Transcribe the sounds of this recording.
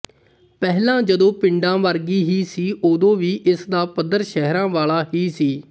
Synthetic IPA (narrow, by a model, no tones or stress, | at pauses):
pɛːɦlãːd͡ʒəd̪õːpɪɳɖãːʋəɾɡiːɦiːsiːʔoːd̪õːʋiːʔɪsd̪aːpəd̪əɾʃɛɦɾãːʋaːlaːɦiːsiː